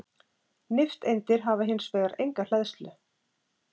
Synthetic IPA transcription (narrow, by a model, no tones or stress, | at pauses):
nɪft̪ejnt̪ɪɾɦaːvaɦɪnːsveːɣaɾejŋkal̥ɛðst̪lʏ